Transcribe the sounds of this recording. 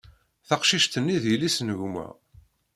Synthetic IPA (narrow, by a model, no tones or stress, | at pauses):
θɑqʃiʃt̪ənːiðjəlisnəʝmæ̰